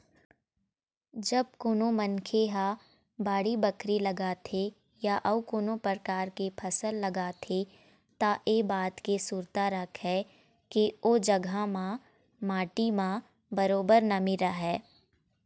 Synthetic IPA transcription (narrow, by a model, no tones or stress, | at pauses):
d͡ʒɐb̚kʊnõmənkʰeɦa | baːɽibəkʰɾilɐɡaːt̪ʰe | jaʔɐʊkʊnõpəɾkaːɾkepʰɐsəlːɐɡaːt̪ʰe | t̪aʔeːbaːt̪kesuːɾt̪aɾɐkʰɦɛ | keoːd͡ʒɐɡʱamã | maːʈimã | bɐɾoːbəɾnamɪɾaɦɛː